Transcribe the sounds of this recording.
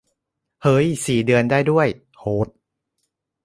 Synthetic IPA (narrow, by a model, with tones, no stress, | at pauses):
hɤː˦˥jsiː˨˩dɯ˧əndaː˥˩jdu˥˩əj | hʰoː˦˥t̪̚